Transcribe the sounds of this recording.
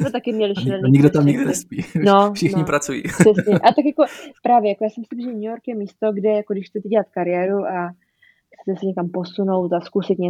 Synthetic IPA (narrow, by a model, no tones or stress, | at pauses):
ot̪akɪmɲɛlɪʃiɛnɲiɡdot̪amɲɪɡdnɛspiːnofʃɪnɲɪpɾat͡sujḭːsɛsɲɛʔat̪akjako̞pɾaːvjɛjakojaːsɛmsɪbzɛɲujoɾkjɛmiːst̪o̞ɡdɛjakodɪʃxt͡sɛt̪ɛɟɛlat̪kaɾɪjɛːɾuʔa | xt͡sɛ̥t̪ɛsɛɲɛkampo̞suno̞wt̪askusɪt̪ɲɛ